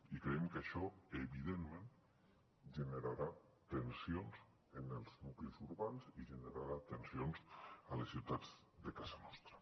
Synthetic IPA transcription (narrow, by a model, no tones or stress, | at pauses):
ikɾeemkaʃɔeβiðemmẽn | ʒeneɾaɾat̪ensionz | enelˠznuklizuɾβanziʒeneɾaɾat̪ensionzalesiwt̪add͡z | d̪ekazanɔst̪ɾa